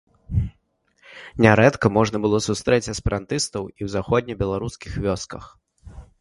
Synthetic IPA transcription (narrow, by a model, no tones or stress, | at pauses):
nʲaɾɛt̪kɐmɔʐnɐbɨlˠɔsust̪ɾɛt͡sʲɐspʲɛɾant̪ɨst̪ɐwiwzaxɔd̪̚ʲnʲɛbʲɛlˠaɾuskʲixvʲɔskɐx